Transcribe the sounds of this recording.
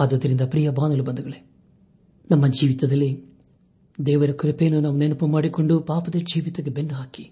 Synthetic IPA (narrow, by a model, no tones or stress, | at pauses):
ɐd̪od̪ɐɾind̪ɐpɾijɐbaːnɐlubɐnd̪uɡɐɭe | nɐmːɐd͡ʒiːʋit̪ɐd̪ɐlːi | d̪ɛːʋɐɾɐkuɾɐpeːnunaːʋunenupumaːɽikoɳɖupaːpɐd̪ɐd͡ʒiːʋit̪ɐɡebenːɐɦaːki̥